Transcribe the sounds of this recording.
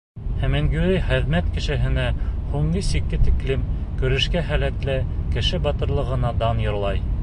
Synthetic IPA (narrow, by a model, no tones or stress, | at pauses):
hæmæŋɡʉɾɘjχɘ̆ðmæt̪kɘ̆ʃɘ̆ɦɘ̆næhuɴnisikːɘt̪iklɘmkɵ̆ɾɘ̆ʃkæɦælæt̪lɘkɘ̆ʃɘbɑt̪ɤ̆ɾlˠɤ̆ʁɤ̆nɑd̪ɑnjŏɾlˠɑj